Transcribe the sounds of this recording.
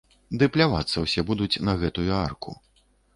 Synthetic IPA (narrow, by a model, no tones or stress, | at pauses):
d̪ɨplʲava̰t̪sːɐwsʲɛbud̪ut͡sʲnɐɣɛt̪ujuarkʰṵ